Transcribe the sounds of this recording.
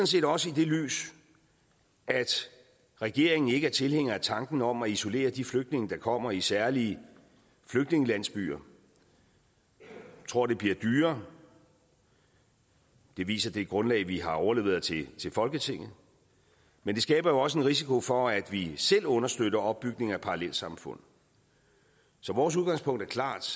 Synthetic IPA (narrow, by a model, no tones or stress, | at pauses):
sɒ̽nse̝̰ːd̥ɒ̽səid̥e̝ly̰ːs | æd̥ | ʁɛɡ̥e̝ɐe̝ŋn̩e̝ɡəæɐt͡sʰe̝lheŋ̰ɐæt͡sʰɑ̈ŋɡ̥n̩ɒ̽m̰æiso̝le̝̰ːɐd̥ifløɡ̥d̥ne̝ŋəd̥ɑ̈kʰɒ̽m̰ɐisæɐliə | fløɡ̥d̥ne̝ŋəlæn̰sb̥y̰ːɐ | t͡sʰʁo̝ɐ̰d̥e̝b̥liːɐd̥yːɐ | d̥e̝ʋḭːsɐd̥e̝ɡ̥ʁɔ̽nlɛ̰ːɪʋiɦɑ̈ɒʊɐle̝ːʊð̩ˠt͡sʰe̝t͡sʰe̝lfɒ̽lɡ̥ət͡sʰe̝ŋ̰ð̩ˠ | mend̥e̝sɡ̥ɛːb̥ɐjo̝ɒ̽s̬əe̝nʁis̬ikʰo̝fɒ̽æd̥ʋisel̰ɔ̽nɐsd̥øɾ̥ɐɒ̽b̥̚ːyɡ̥ne̝ŋæpʰɑ̈ʁɑlel̰̥sɑ̈mfɔ̽n̰ | sɒ̽ʋɒːs̬uð̞ˠɡ̥ɑ̈ŋspʰɔ̽ŋ̰d̥æɐkʰlɑ̰̈ːd̥